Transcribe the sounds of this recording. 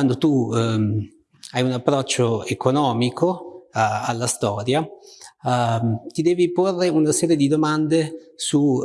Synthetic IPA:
wand̪ot̪u | ajunapːɾɔt͡ʃːoekonɔːmikʰo | alːast̪ɔːɾja | t̪id̪ɛːviporːeunasɛːɾjed̪id̪omand̪esu

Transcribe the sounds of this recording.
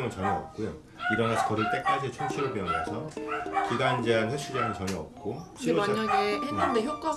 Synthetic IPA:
ŋɯnt͡ɕʌɲʌʌ̰p̚k͈ujo | iɾʌnasʰʌkʌɾɯɭt͈e̞k͈ad͡ʑiet͡ɕʰʌnt͡ɕʰiɾoɭpeʌnasʰʌkiɡand͡ʑeanɸjʌɕ͈id͡ʑaŋɯɭt͡ɕʌɲʌʌp̚k͈ot͡ɕʰimoaaɡeheɯndeçjok͈a

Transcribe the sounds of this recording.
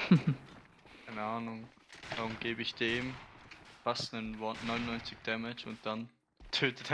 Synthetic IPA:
kʰaɪnəaːnʊŋ | d̥aʊmɡeːbəɪçd̥eːmfastnənvɔnɔʏnʊnːɔʏnt͡sɪçd̥ɛmɪt͡ʃʊ̰nt̚d̥an | tʰøːtət

